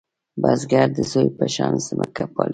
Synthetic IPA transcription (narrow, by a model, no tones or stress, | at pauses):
bazɡaɾd̪əzojpəʃɑnzəmʔəkʰapɑl